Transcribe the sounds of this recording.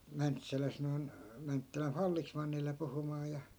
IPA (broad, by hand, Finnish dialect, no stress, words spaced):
mæntsælæs noi̯n mæntːælæf fɑlːismɑnːile puhumɑː jɑ